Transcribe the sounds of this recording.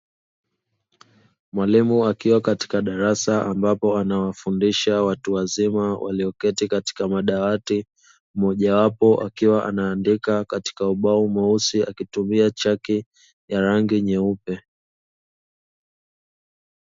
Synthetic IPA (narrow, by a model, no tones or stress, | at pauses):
mwalimuakiwakati̥kaɗaɾasaʔambapɔanawafundiʃawatuwazimawa̰liɔkɛtikati̥kamaɗawati | mɔʄawapɔʔa̰kiwaʔa̰naːndikakati̥kauɓaumausiakitumiat͡ʃaki | jaɾaŋɡiɲɛupɛ